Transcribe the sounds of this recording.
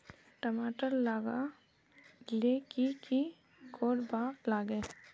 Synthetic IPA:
ʈəmaːʈəɾlaːɡa | lekiki | kʰoːɽbaːklaːɡe

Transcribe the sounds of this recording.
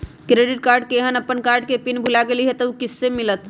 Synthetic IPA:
kɾeɖiʈ̚kaɾɖ̚keɦənəpːənkaɾɖ̚kepinbʱulaɡeliɦɛt̪əukisːemilət̪

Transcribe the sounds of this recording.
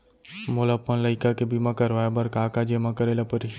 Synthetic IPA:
molapːənlɐɪkakebimakəɾʋaebɐɾkaːkad͡ʒemakəɾelɐpəɾi

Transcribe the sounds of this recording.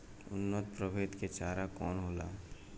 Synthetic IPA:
ʊnːət̪pɾəbʱeːt̪ket͡ʃaːɾakɔːnɦoːlaː

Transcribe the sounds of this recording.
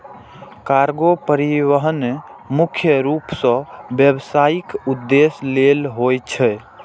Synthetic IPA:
kaɾɡopəɾiʋəɦənemukʰjəɾupsə̃bjəbsaikud̪ːeslelɦojt͡ʃʰɛ

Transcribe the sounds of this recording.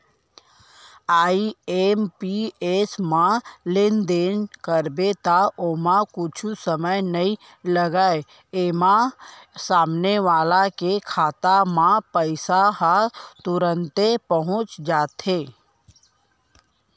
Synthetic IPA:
aːiempiesmãlend̪enkəɾbet̪aʔomãkʊt͡ʃʰusəməjnəi | ləɡae | eːmasaːmneʋaːlakekʰaːt̪amãpəɪsaɦat̪ʊɾə̃nt̪epəɦʊ̃t͡ʃd͡ʒaːt̪e

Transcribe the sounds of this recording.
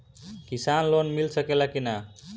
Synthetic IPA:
kisanlonmilsəkelakina

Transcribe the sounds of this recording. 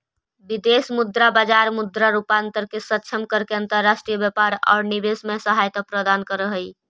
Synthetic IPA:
bid̪esmud̪ɾabad͡ʒaɾmud̪ɾaɾupant̪əɾkesətːt͡ʃʰəmkəɾkeənt̪əɾːasʈɾijəbjəpaɾa̰ʊɾnibesmesəɦajt̪əpɾəd̪ankəɾəɦəj

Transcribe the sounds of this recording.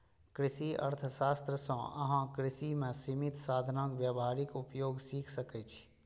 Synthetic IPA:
kɾɪʃiə̰ɾt̪ʰəsaːst̪ɾəsɔ̃ɐ̰ɦãkɾɪsimẽsimɪt̪saːd̪ʱnãːkʋjabɦaːɾɪkʊpjoːɡsiːkʰsəkɛt͡ʃʰi̥

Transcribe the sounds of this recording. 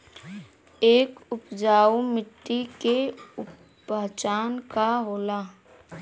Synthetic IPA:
eːkʊpd͡ʒaːumɪʈːikeʊ | at͡ʃaːnkaɦoːlaː

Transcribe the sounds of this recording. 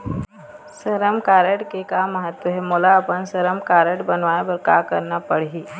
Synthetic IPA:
səɾəmkaːɾəʈkekamːəɦət̪wəɦɛmoːlaːpənsəɾəmkaːɾəʈbɐnʋaːebɐɾka̰ːkɐɾnapəɽ̤iː

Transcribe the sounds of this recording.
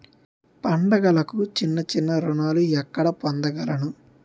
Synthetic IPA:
pɐɳɖɐɡɐlɐkut͡ʃinːɐt͡ʃinːɐɾuɳaːluɛkːɐɽɐpɔnd̪ɐɡɐlɐnu

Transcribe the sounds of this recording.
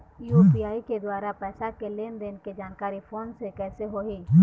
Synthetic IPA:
jupiːaːiked̪waːɾapɛːsakeleːnd̪eːnked͡ʒaːnkaːɾipʰoːnsekɛːseɦoːɦiː

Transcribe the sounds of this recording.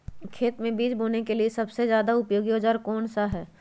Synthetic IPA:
kʰeːt̪mẽbiːd͡ʒbʱoːnekeliesɐbsezjaːd̪aʊpjoːɡioːd͡ʒaɾkɔːɳsaɦɛː

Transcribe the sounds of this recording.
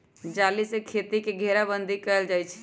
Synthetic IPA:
d͡ʒalisekʰet̪ikeɡʱeɾabənd̪ʱikəəld͡ʒaːjt͡ʃʰɛ̥

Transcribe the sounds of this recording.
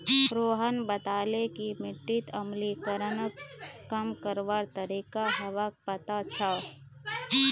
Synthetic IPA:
ɾoːɦənbət̪aːlekimɪʈːɪt̪əmlikəɾənkəmkəɾʋaɾt̪əɾiːkaɦɐʋak̚pət̪at͡ʃʰa

